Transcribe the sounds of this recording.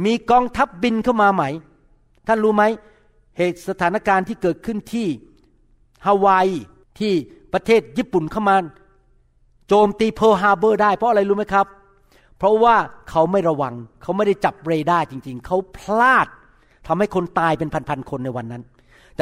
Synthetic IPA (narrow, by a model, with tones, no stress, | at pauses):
miː˧kɔː˧ŋt̪ʰa˦˥p̚bi˧nkʰa˥˩wmaː˧ma˦˥j | t̪ʰa˥˩nɾuː˦˥ma˦˥j | heː˨˩t̪̚sa˧t̪ʰaː˩˦na˧˩kaː˧nt̪ʰiː˥˩kɤː˨˩t̪̚kʰɯ˥˩nt̪ʰiː˥˩ | haː˧waː˧j | t̪ʰiː˥˩pɾa˧t̪ʰeː˥˩t̪̚jiː˥˩pːu˨˩nkʰa˥˩wmaː˧ | t͡ɕoː˧mt̪iː˧pʰɤː˧ɦaː˧bɤː˥˩daː˥˩jpʰɾɔ˦˥ʔa˧ɾa˧jɾuː˦˥ma˦˥jkʰa˦˥p̚ | pʰːɾɔ˦˥waː˥˩kʰa˦˥wma˥˩jɾa˧wa˧ŋkʰa˦˥wma˥˩jda˥˩jt͡ɕa˨˩p̚ɾeː˧daː˥˩jt͡ɕi˧ŋt͡ɕi˧ŋkʰa˦˥wpʰlaː˥˩t̪̚ʰː | a˧mha˥˩jkʰo˧nt̪aː˧jpe˧npʰa˧npʰa˧nkʰo˧nːa˧jwa˧nːa˦˥n